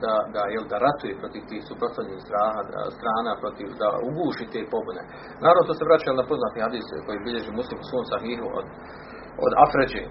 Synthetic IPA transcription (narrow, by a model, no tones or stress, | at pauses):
d̪ad̪ajeld̪aɾat̪ujepɾo̞t̪iʋt̪iːhsupɾost̪aʋɲniːhst̪ɾaːɦad̪a̰st̪ɾaːnapɾo̞t̪iʋd̪a̰uɡuːʃiːt̪eːpo̞bune̞̰ | naːɾavnot̪oːseʋɾat͡ɕajelnapo̞znaːt̪ihad̪iːsko̞jiːbiʎe̞ʒiːmuslimu̥sʋoːmsaɦiːɦuo̰d̪ | o̰d̪afɾed͡ʒe